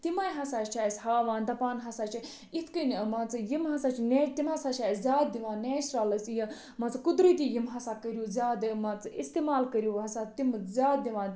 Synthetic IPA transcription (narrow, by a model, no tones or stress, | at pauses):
t̪imaːjɦɐsaːt͡ʃt͡ʃʰaːsʲhaːʋãːnd̪ɐpaːnɦɐsaːt͡ʃʰi | it̪ʰkɐnmat͡sɨjimɦɐsaːt͡ʃʰineːt͡ʃt̪imɦɐsaːt͡ʃʰaːjszʲaːt̪̚d̪iʋãːneːt͡ʃɾaːlɐsji | mɐt͡sɨkud̪ɾit̪ʲijimɦɐsaːkɐɾjuzʲaːd̪imat͡sɨist̪imaːlkɐɾjuːɦɐsaːt̪imzʲaːt̪̚d̪iʋãː